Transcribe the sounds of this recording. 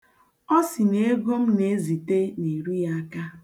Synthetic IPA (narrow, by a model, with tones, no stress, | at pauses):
ɔ˦si˨ne˦ɡo˦m̩˦ne˨˦zi˨te˦ni˨ɾu˦ja˦a˦ka˦